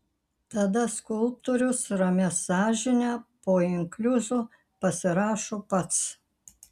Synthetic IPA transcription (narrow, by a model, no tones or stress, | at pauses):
t̪ɐd̪ɐskʊlˠp̚t̪oːɾʲʊsɾɐmʲɛsɑːʒʲɪnʲæpoːɪŋklʲʊzuː | pɐsʲɪɾɑːʃoːpɐt̪s